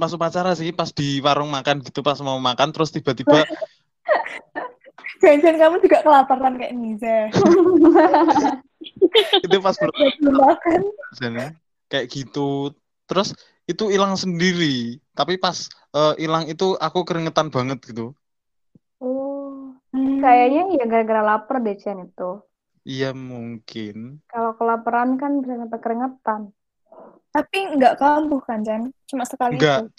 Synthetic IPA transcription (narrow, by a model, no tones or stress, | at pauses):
pasupat͡ʃaɾasikipasd̪̥i̤waɾʊŋmakanɡ̥i̤t̪upasmawmakant̪əɾʊst̪ib̥a̤t̪ibba | d͡ʒ̥and͡ʒankamud͡ʒ̥uɡ̥aʔkəlapaɾankɛʔnisɛ | it̪upasbadimakand͡ʒane | kajʔɡ̥i̤t̪u | t̪əɾʊs | it̪uilaŋsəndiɾit̪apipas | əʔilaŋit̪uʔakukəɾiŋət̪anb̥a̤ŋət̪̚ɡ̥it̪u | ɔ | kajaɲaijaɡəɾaɡəɾalapərdet͡ʃianit̪u | ijamuŋkɪnkalokəlapəɾankanbisaŋat̪akəɾiŋət̪an | t̪apiŋɡaʔkambuhkant͡ʃant͡ʃumasəkalŋiɡaa